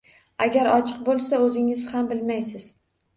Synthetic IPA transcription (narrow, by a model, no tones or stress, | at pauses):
aɡʲaɾɒt͡ʃʰɨq̚bolˠsaɵzɪŋɪz̥hambɪlmajsɪz̥